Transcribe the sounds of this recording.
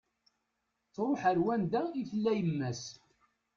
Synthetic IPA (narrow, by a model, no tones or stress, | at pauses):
t͡sːɾˤoħəɾwænd̪æiθlːæjəmːæs